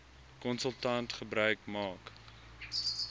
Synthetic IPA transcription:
kɔnsəlˠtɐntχəbɾœɥkmɑːk

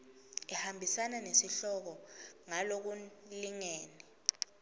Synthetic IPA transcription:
ɛhambʱisananesiɬɔk̬ɔŋalok̬uliŋeːni

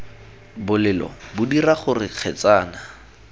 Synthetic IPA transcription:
bʊlɪlɔ̰bʊdiraχʊrɪq͡χʰɛt͡saːna

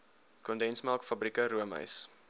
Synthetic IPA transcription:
kɔndɛnsmælˠkfɐbrikəɾuəmə̰js

